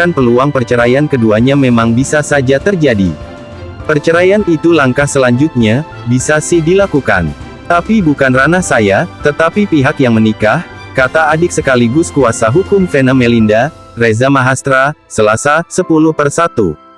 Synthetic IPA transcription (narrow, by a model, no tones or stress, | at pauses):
anpəluaŋpərt͡ʃəɾajankəduaɲamemaŋbisasad͡ʒat̪ərd͡ʒadḭ | pərt͡ʃəɾajanit̪ulaŋkahsəlaɲd͡ʒʊt̪̚ɲa | bisasɪhdilakuka̰n | t̪apibukanranahsajat̪ət̪apipiɦakjaŋmənikah | kat̪aːdɪk̚səkaliɡʊskuasaɦukʊmfenamelinda | rezamaɦast̪ɾasəlasasəpulʊhpərsat̪u